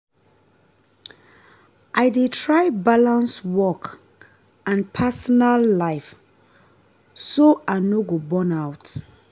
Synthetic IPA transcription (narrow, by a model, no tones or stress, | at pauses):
ʔajdetʰɹajbalãnswɔk | ãnpʰasɔnalːaɪf | soanoɡobɔ̃nawt